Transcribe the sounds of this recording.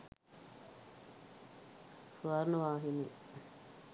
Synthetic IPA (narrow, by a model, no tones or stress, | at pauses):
suaɾnuʋaːɦine